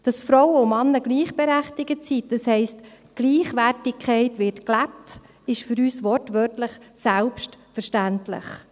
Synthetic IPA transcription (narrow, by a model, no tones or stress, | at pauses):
d̥ɑsfɾɔwəʊmɑnːəɡ̥liːχb̥eɾæχtɪɡət͡siːt̚d̥ɑshɛɪst | ɡ̥liːχʋærtɪkʰɛɪtʋɪɾtklæp̚t | ɪʃfʏɾyːsʋɔɾtʋœtləχsælpʃtfəɾʃtæntlə̰χ